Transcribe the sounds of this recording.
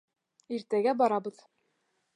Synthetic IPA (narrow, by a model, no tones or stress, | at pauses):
iɾt̪æɡæbɒɾɑbɤ̆ð